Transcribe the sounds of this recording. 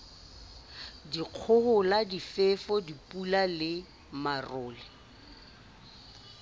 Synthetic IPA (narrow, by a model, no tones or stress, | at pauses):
diq͡χʰʊhʊladifefɔdipʼulalɪ | marʊːlɪ